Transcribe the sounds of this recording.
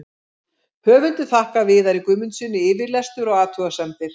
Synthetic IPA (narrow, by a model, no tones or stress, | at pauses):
hœːvʏnt̪ɪθahkavɪːðaɾikʏmʏnsɪnːɪɪːvɪɾlɛst̪ʏɾɔɣaːt̪ʰuɣasɛmt̪ɪɾ̥